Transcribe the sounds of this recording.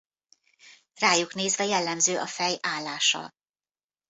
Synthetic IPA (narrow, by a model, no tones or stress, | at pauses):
raːjukneːzvɛjɛlːɛmzøːʔɒfɛjaːlːaːʃɒ̰